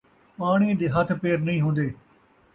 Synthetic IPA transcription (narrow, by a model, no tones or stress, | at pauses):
paːɽ̃iːd̪eːɦət̪ʰpeːɾnəĩːɦõːnd̪eː